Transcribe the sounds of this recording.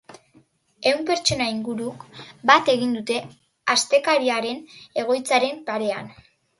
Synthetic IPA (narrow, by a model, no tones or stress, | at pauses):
e̞wmpe̞ɾt͡ʃo̞naiŋɡuɾukbat̪e̞ɣind̪ut̪e̞ | ast̪e̞kaɾiaɾe̞ne̞ɣ̞o̞jt͡saɾe̞mpaɾe̞an